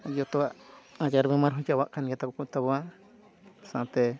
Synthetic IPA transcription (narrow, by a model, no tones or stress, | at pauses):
ajot̪oaãjaɾβemãɾɦũt͡ʃaβaʔkanĩjat̪akukut̪aβoã | sãt̪e